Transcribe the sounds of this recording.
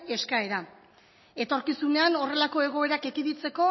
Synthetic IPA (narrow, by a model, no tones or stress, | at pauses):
e̞skae̞ɾa | e̞t̪o̞ɾkisune̞ano̞re̞lako̞e̞ɣ̞o̞e̞ɾakekiðit͡se̞ko̞